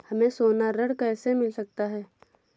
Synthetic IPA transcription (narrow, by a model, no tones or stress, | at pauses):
hɐmẽsoːnaɾɐɽkɛːsemɪlsɐk̚t̪aɦɛː